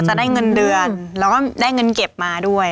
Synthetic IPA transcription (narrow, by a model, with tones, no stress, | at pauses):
t͡ɕa˨˩daː˥˩jŋɤ˧ndɯ˧ənlɛː˦˥wkɔː˥˩daː˥˩jŋɤ˧nke˨˩p̚maː˧du˥˩əj